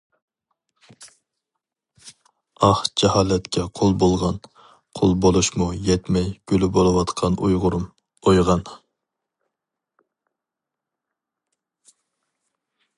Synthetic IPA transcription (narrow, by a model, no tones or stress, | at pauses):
ɑhd͡ʒɛhɑːlɛt̪kʲʰɛqʰolˠbolˠʁɑn | qʰolˠbolˠuʃmujɛt̪mɛjɡ̥ʲølybolˠɨwɑt̪qʰɑnʔujʁʊɾum | ojʁɑn